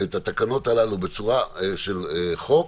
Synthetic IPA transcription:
et̪at̪akano̞t̪alalube̞t͡suʁaeʃe̞leχo̞

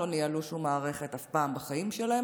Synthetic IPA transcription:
o̞nialuʃumːaːʁe̞χe̞t̪afpaːmbaχaimʃelahe

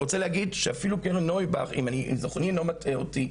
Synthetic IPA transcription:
ot͡seleaɡidʃeafilukeʁnojba̰χḭmanizoχnilo̞mateoti

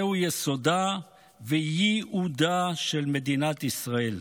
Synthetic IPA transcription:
ujesod̪a | vejiud̪aʃelmed̪inat̪isʁael

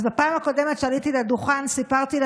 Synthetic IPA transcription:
zbapaːmhako̞de̞metʃealit̪iladuχansipaʁt̪il

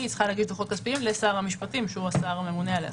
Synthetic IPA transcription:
itt͡sχaleaɡiʃd̪uχo̞t̪̚kaspiimlesaːʁamiʃpatimʃeuasaːʁame̞munealḛ

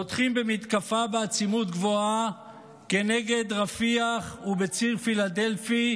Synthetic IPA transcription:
ot̪χimbemit̪kafabeat͡simut̪ɡvo̞a | ke̞ne̞ɡe̞d̪ʁafiaχubet͡siʁfilad̪e̞lfi

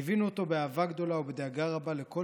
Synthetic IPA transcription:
evinuot̪o̞beaːvaɡd̪o̞laubed̪aɡaʁabale̞ko̞

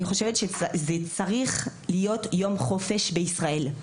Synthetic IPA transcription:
niχo̞ʃevetʃezet͡saʁiχlijo̞tjo̞mχo̞fe̞ʃbeisʁae̞l

